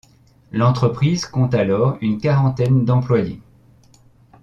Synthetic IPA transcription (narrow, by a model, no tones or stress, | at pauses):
lɑ̃t̪χəpχizkɔ̃t̪alɔʁynkaʁɑ̃t̪ɛnd̪ɑ̃plwaje